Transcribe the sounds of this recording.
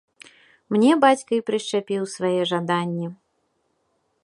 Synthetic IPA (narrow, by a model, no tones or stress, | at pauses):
mnʲɛbat͡sʲkɐjpɾɨʂt͡ʂapʲiwsvajɛʐad̪anʲːɛ